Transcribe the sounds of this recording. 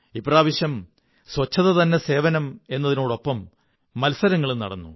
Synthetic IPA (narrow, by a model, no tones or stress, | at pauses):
ipraːʋiɕjɐm | sʋɐt͡ɕːɐðɐt̪ɐnːe̞se̞ːʋɐnɐme̞nːɐðino̞ːɽo̞pːɐmː | ɐlsɐɾɐŋːɐɭunɐ̰ɽɐnːṵ